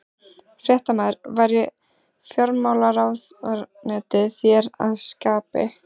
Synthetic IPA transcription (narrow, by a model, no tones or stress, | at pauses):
fɾjɛht̪amaðɾvaːjɾɪ | fjɔɾmaːwlaɾawðɾnɛːt̪ɪθjɛɾa̰ðskaːpɪ̰